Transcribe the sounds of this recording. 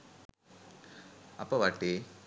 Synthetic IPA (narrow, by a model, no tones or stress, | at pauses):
ɐpːoʋɐʈːi